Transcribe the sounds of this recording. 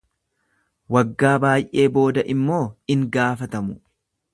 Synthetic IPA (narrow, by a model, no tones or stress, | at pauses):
wɐɡːaːbaːjʔe̞ːbo̞ːd̪ɐʔɪmːo̞ːɪŋɡaːfɐt̪ɐmʊ